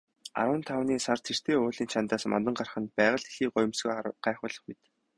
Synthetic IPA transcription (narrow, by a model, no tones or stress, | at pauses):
a̰ɾwə̆nt̪ʰawniːsar̥t̪ʰer̥t̪ʰeːoːɮiːnt͡ɕʰant̪aːsma̰nt̪̬ə̆ɴɢarχə̆npæːʁə̆ɮexiːɢʊj̆msɡujɢ̥æːχʊːɮə̆χmet̪